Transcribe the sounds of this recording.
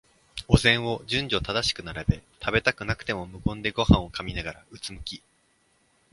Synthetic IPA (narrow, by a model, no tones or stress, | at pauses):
ozẽ̞ɰ̃o̞d͡ʑɨ̃ɲ̟d͡ʑo̞t̪ad̪aɕi̥kɯ̟naɾabe̞t̪ʰabe̞t̪akɯ̟nakɯ̟̥t̪e̞mo̞mɯ̟kõ̞nd̪e̞ɡo̞hãɰ̃o̞kamʲinaɡaɾaɯ̟t͡sɨmɯ̟kʲi